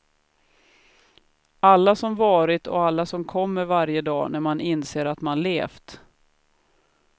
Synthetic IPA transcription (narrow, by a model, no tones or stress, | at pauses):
alːasɔmvɑːɾɪt̪ɔ̰alːasɔmkʰɔmːəɾvaɾjəd̪ɑ̰ːnæɾmanɪnseːɾat̪manleːft̪